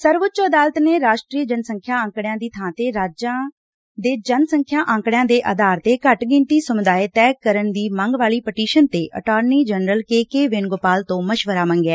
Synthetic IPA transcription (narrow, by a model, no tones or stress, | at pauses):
səɾʋʊtːt͡ʃəd̪aːlt̪neːɾaːʃʈɾiːəd͡ʒənsəŋkʰjãːə̃ːŋkɽɪjãːd̪iːt̪ʰãːt̪eːɾaːd͡ʒãː | d̪eːd͡ʒənsəŋkʰjãːʔãːŋkɽɪjãːd̪eːʔəd̪aːɾt̪eːkəʈɡɪnt̪iːsəmʊd̪aːeːt̪ɛːkəɾənd̪iːmə̃ŋɡʋaːliːpəʈiːʃənt̪eːʔə̰ʈaːɾniːd͡ʒənɾəlkeːkeːʋɪnɡopaːlt̪õːməʃʋəɾaːmə̃ŋɡɛː